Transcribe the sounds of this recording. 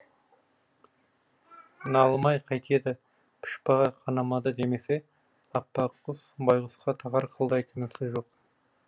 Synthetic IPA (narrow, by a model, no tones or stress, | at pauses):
nɑlˠmɑjqʰɑjt̪ʰe̞d̪ɪ | pʰɪ̥ʃpɑʁɑqʰɑnɑmɑd̪əd̪e̞me̞se̞ | ɑpːɑqːəzbɑjʁəsqɑt̪ʰɑʁɑɾqʰəlˠd̪ɑjkʲʰɪnɪsɪzʒo̞q